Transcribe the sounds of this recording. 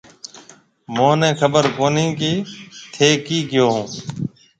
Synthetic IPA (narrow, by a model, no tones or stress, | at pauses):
mõːnẽːkʰəbəɾkoːniːkiːt̪ʰeːkiːkɪjoːɦũː